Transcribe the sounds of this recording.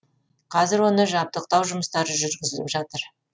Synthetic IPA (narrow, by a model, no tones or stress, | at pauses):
qʰɑzɪɾwo̞nəʒɑp̚t̪əq̚t̪ɑwʒʊməst̪ɑɾəʒʏɾɡʲɪzɪlɪpʒɑt̪əɾ